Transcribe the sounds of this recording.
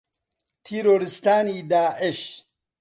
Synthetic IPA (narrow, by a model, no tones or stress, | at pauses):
t̪ʰiɾoːɾist̪aːnid̪aːʔɪʃ